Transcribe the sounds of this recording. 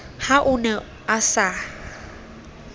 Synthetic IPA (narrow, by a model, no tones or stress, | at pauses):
haʔʊnɛ | asa